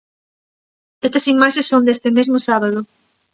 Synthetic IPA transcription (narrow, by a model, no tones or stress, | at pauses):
d̪̥est̪esimaʃesːond̪est̪emezmosaβaðo